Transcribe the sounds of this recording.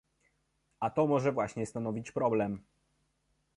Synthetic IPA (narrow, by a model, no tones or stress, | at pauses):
ʔat̪ɔmɔʐɛvwaɕɲɛst̪anɔvʲit͡ɕpɾɔblɛm